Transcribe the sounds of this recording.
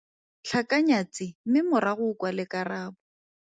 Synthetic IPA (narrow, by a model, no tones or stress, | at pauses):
ɬʰakaɲat͡sɪm̩mɪmʊɾaɣʊkwalɪkaraːbʊ